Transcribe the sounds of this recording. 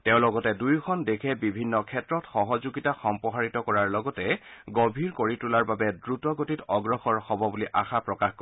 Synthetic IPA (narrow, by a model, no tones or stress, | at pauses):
tɛʊ̃lɔɡɔtɛdujkʰɔndekʰɛbibʱinːɔkʰɛtɹɔtxɔɦɔzuɡitaxɔmpɔɦaɹitɔkɔɹaɹlɔɡɔtɛɡobʱiɹkoɹitulaɹbabɛdɹutɔɡotitɔɡɹɔxɔɹxɔbɔbuliʔaxapɹɔkaxko